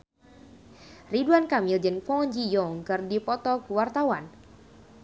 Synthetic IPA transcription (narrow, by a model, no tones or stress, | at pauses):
riduankamild͡ʒənfɔɲd͡ʒijɔŋkɨrdipɔt̪ɔkuwart̪awan